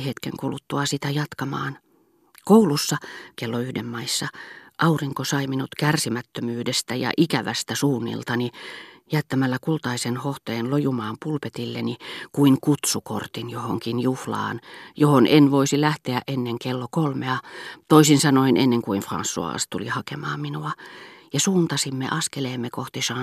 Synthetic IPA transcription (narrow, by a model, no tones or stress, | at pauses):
het̪kḛŋkulut̪ːuɑsit̪æjɑt̪kɑmɑ̰ːn | koulusːɑkelːoyhdemːɑisːɑʔɑuriŋkosɑiminut̪kærsimæt̪ːømyːdest̪æjɑ̰ʔikæʋæst̪æsuːnːḭlt̪ɑnijæt̪ːæmælːækult̪ɑisenhoht̪eːnlojumɑːmpulpet̪ilːenikuiŋkut̪suko̰rt̪injohoŋkinjuhlɑ̰ːnjohonʔenʋoisilæht̪eæʔʔenːeŋkelːokolmeɑt̪oisinsɑnoinʔḛnːeŋkuinfrɑ̰nsːṵɑ̰ːst̪ṵlḭhɑkemɑ̰ːmminuɑjɑsuːnt̪ɑsimːḛʔɑskeleːmːekoht̪isɑː